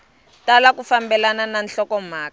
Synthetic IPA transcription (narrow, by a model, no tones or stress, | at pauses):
talak̬ufambɛlanananɬɔkɔm̤aːka